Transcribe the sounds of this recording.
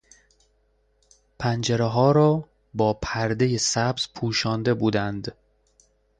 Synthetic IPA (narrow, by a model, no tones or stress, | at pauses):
pʰænd͡ʒeɾeɦɒːɾɒː | bɒːpʰæɾd̪ejesæbz̥pʰuːʃɒːnd̪e̞buːd̪ænd̪